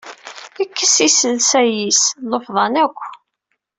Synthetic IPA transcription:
ikːəsisəlsæjislofðˤɑnækʷː

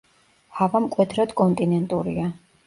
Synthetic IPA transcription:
havamkʼwɛd̪ɾɔd̪kʼɔnt̪ʼinɛnt̪ʼuɾḭa

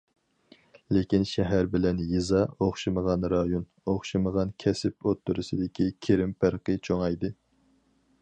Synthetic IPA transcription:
lekʲinʃɛɦæɾbɪlɛnjizɑoχʃɨməʁɑnɾɑjon | oχʃɨməʁɑnkʲʰɛsɪpot̪ːuɾɨsɨd̪ɪkʲikʲʰeɾɪmpæɾqət͡ʃʰoŋɑjd̪ɨ

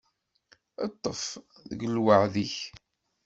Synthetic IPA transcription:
ə̰t̪ˤːəfðə̰ɡəlwəʕðiç

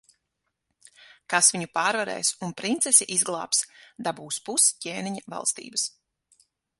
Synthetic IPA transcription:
kasviɲupaːɾvaɾɛ̰ːjsunpɾint̪sɛsiʔizɡlˠɑ̰ːpsd̪abuːspuscʲeːniɲava̰lˠst̪ḭːbəs

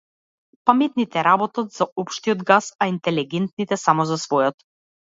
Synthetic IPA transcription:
pamɛt̪nit̪ɛɾabɔt̪ɔt̪z̥aɔpʃt̪ijɔd̪ɡasaint̪ɛliɡɛnt̪̚nit̪ɛsamɔzasvɔjɔt̪

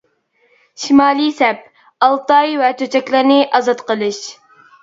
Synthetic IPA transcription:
ʃimɑːlˠɨjsɛp̚ | ɑlˠt̪ɑjvɛt̪ʰøt͡ʃʰɛkʲlɪɾnɪʔɑzɑt̪qəlˠɨʃ

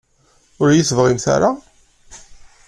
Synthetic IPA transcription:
ʊɾjiθvʁimθa̰ɾa

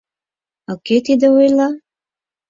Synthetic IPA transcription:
oket̪id̪ə̆ojlˠɑ

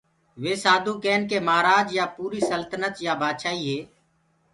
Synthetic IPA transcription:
ʋeːsaːd̪ʱuːkeːnkeːmaːɾaːd͡ʒjaːpuːɾiːsəlt̪ənət̪jaːbʱaːd̪ʃaːiːɦeː

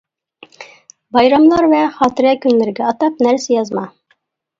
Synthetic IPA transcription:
bɑjɾɑmlˠɑɾvɛχɑːt̪ɪɾɛkʲʰynlɪɾɡʲɛɑt̪ɑp̚næɾsɪjɑzmɑ

